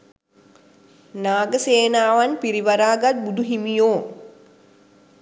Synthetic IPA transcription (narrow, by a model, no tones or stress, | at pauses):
naːɡəseːnaːʋanpiɾiʋaɾaːɡat̪̚bud̪uɦimijoː